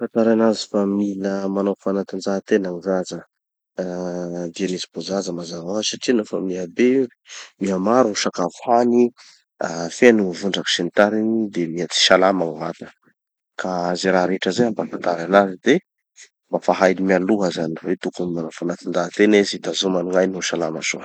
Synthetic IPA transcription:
fant̪aɾanazifamiləmanafanat̪ind͡zaɦt̪enaŋizazə | d̪ianizibozazəmazaasaʈ͡ʂianofəmiabe | miamaɾunʃakavuhani | afenivuɳɖ͡ʐaki̥ʃent̪aɾinid̪emiat͡si̥ʃalamaŋva̰t̪ə̥ | kaaziɾaɾeʈ͡ʂəzaambafant̪aɾanazid̪e | mbafaɦajnimialuɦəzanivet̪ukunmanafanat̪indat̪enizid̪azomanuŋajnuʃalama̰zo̰

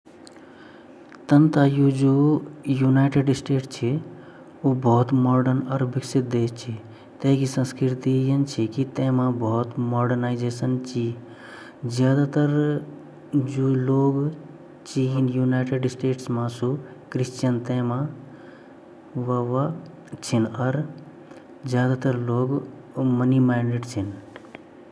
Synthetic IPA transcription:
t̪ənt̪ajud͡ʒoːjunaːɪʈeɖɪsʈeːʈt͡ʃʰi | ubɔɦt̪mɔːɖənəɾbiksit̪̚d̪eːt͡ʃʰi | t̪eɦkisə̃nskɾɪɾt̪ijənt͡ʃʰikit̪ẽːmãbɔɦt̪mɔːɖəɾnaːɪd͡ʒeːsənt͡ʃi | zjaːd̪at̪əɾ | d͡ʒuloːɡ | t͡ʃiinjunaɪʈeɖsʈeːʈsmãsukɾist͡ʃjənt̪ẽmã | ʋaʋa | t͡ʃʰinəɾ | d͡ʒjaːd̪at̪əɾloːɡ | mənimaɪniʈt͡ʃʰin

